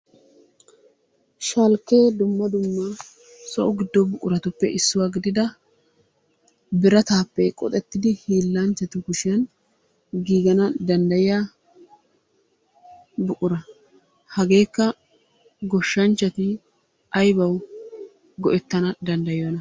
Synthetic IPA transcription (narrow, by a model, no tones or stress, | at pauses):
ʃɐlkːe̞ːd̪ʊmːɐd̪ʊmːɐ | sɔ̰ʔʊɡɪd̪ːɔbʊkʼʊɾɐt̪ʊpːɛʔɪsːʊwaːɡɪd̪ɪd̪ɐ | bɪɾɐt̪aːpːɛkʼɔ̰t̪ʼɛt̪ːɪd̪ɪhiːlːant͡ʃːɐt̪ʊɡʊʃɪjɐn | ɡiːɡɐnɐd̪ɐnd̪ɐjɪja | bʊkʼʊɾɐ | hɐɡe̞ːkːɐ | ɡɔʃːɐnt͡ʃːɐt̪ɪ | ʔɐjbɐw | ɡɔʔɛt̪ːɐnɐd̪ɐnd̪ɐjjnɐ